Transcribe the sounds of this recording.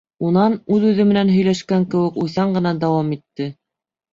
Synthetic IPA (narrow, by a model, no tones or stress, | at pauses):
unɑnʉðʉðɘmɘ̆nænɦɵ̆jlæʃkæŋkɘ̆wɘ̆kujθɑɴɢɤ̆nɑd̪ɑwɑmit̪ːɘ